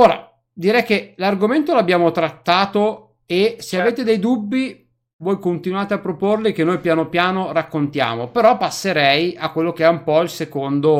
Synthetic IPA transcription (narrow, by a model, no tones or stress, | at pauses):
oːɾa̰ | d̪iɾɛjk̟elarɡoment̪olabːjaːmot̪ɾat̪ːaːt̪o | eseaveːt̪ed̪ɛjd̪ubːi | vwɔːjkont̪inwaːt̪eapːɾoporlikenːojpjaːnopjaːnorakːont̪ja̰ːmopeɾɔpːasːeɾɛjakːwelːokeɛumpɔilsekond̪o